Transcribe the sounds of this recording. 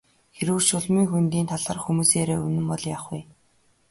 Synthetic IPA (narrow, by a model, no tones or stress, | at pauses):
xeɾŭwrʃʊɮmiːŋxunt̪iːnt̪ʰaɮəːrxumuːseːɾeːɵnɘ̆mpɔɮjaːχuj